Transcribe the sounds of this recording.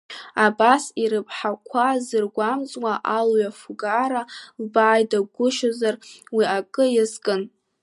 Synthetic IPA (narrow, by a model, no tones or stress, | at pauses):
abasiɾɨpʰʼħakʷʰazɨrɡʷamt͡sʼwaʔalɥafuɡaɾalbaːjdaɡʷʊʃozarwiakʼɨjɪzkʼɨn